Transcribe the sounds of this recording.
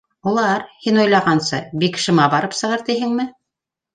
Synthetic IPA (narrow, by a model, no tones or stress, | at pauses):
ulˠɑɾhinŏjlˠɑʁɑnsɤbikʃɤ̆mɑbɑɾɤpsɤ̆ʁɤɾt̪iɦɘŋmɘ